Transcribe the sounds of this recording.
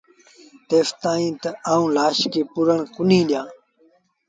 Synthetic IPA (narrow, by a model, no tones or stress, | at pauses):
t̪eːft̪ãːĩːt̪əaːũːlaːʃkeːpuɾəɳkʊnĩːɗɪjãː